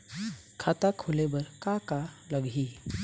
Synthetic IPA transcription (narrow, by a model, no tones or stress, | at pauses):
kʰat̪akʰolebəɾkakaləɡʱi